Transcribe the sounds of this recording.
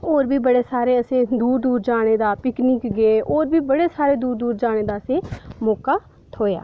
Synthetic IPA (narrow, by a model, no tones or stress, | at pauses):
oːɾbʱiːbəɽeːsaːɾeːəsẽːd̪uːɾd̪uːɾd͡ʒaːɽ̃eːd̪aːpɪkniːkɡeːʔoːɾbiːbəɽeːsaːɾeːd̪uːɾd̪uːɾd͡ʒaːɽ̃eːd̪aːəsẽːmoːkaː | t̪ʰoːja̰ː